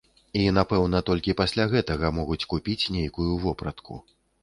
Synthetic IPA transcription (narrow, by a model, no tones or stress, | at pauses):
in̪apɛwn̪ɐt̪ɔlʲkʲipasʲlʲaɣɛt̪ɐɣɐmɔɣut͡sʲkupʲit͡sʲnʲejkujuvɔpɾɐt̪kṵ